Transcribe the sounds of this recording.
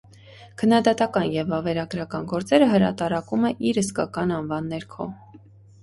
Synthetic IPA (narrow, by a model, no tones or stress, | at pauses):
kʰənːɑd̪ɑt̪ɑkɑnjɛvːɑvɛɾɑɡɾɑkɑnɡɔɾt͡sɛɾəɦəɾɑt̪ɑɾɑkumɛʔiɾhəskɑkɑnɑnvɑnːɛɾkʰɔ̰